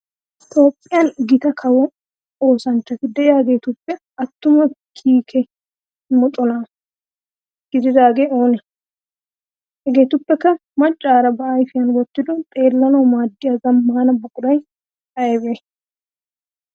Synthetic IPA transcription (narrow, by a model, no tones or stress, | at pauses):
t̪o̞ːpʼːɪjɐnɡɪt̪ɐkʰɐwɔ | oːsɐnt͡ʃːɐt̪ɪd̪ɛʔɛaɡeːt̪ʊpːɛ | ɐt̪ːʊmɐkʰiːkʰɛ | mɔt̪ʼɔnaː | ɡ̥ɪd̪ɪd̪aːɡeoːnɛ | hɛɡe̞ːt̪ʊpːɛkːɐmɐt͡ʃʼːaːɾɐbɐʔajfɪjɐnwɔt̪ːɪd̪ɔt̪ʼe̞ːlːɐnɔwmaːd̪ːɪjɐɡɐmːaːnɐbʊkʼʊd̪ɐj | ɐjɛbe